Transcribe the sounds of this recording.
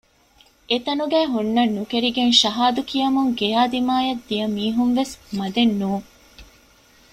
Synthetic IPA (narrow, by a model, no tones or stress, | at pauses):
et̪ɐnuɡæːɦunːɐnːukeɾiɡenʃɐɦaːd̪ukijɐmuŋɡejaːd̪imaːjɐd̪ːijɐmiːɦunʋesmɐd̪enːuːŋ